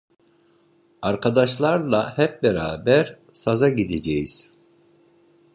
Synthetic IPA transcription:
aɾkʰad̪aʃlˠaɾlˠahɛp̚beɾaːbæɾ | sazaɟid̪ed͡ʒejiz̥

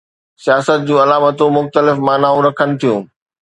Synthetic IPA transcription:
sijaːsət̪̚d͡ʑũːɐlaːmət̪õmʊxt̪əlɪfmaːnaːɦũɾɐkʰənɪ̆t̪ʰijũː

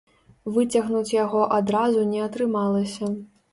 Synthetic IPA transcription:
vɨt͡sʲɐɣnut͡sʲjaɣɔʔad̪ɾazunʲɛɐt̪ɾɨmalˠɐsʲɐ

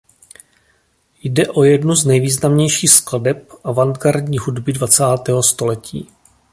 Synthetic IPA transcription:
jdɛʔo̞jɛdnuznɛjviːznamɲɛjʃiːxskladɛp̚ʔavaŋdɡaɾdɲiːɦudbɪdvat͡saːt̪ɛːɦost̪o̞lɛcḭː

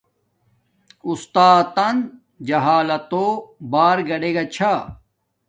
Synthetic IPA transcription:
ust̪aːt̪ɐn | d͡ʑɐɦaːlɐt̪obaːɾɡɐɽeɡɐt͡ɕʰa

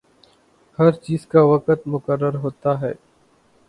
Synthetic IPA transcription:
hɐɾt͡ʃiːzkaʋɐkət̪mʊkəɾːəɾɦoːt̪aɦɛ̰ː

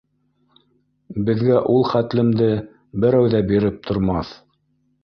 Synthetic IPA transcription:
bɘ̆ðɡæʔulˠχæt̪lɘ̆md̪ɘ | bɘ̆ɾæwðæbiɾɘp̚t̪ʰŏɾmɑθ

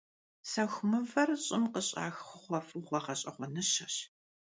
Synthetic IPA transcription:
sɐxʷmɨvɐrɕʼɪmqəɕʼa̰ːxχʷχʷɔfuwχʷɐʁɐɕʼɐχʷɔnɨɕɐɕ

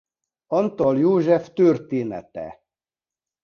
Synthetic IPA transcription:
ɒnt̪ɔljoːʒɛft̪ørt̪eːnɛ̰t̪ɛ̰

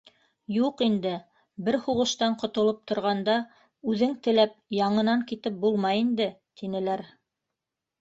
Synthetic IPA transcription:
juqind̪ɘ | bɘɾhuʁɤ̆ʃt̪ɑɴqŏt̪ŏlˠɤp̚t̪ʰŏɾʁɑnd̪ɑ | ʉðɘŋt̪ɘ̆læp̚jɑɴɤ̆nɑŋkit̪ɘp̚bulˠmɑjind̪ɘt̪inɘ̆læɾ

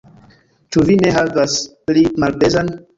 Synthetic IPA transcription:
t͡ʃuvineɦavasplimalbezan

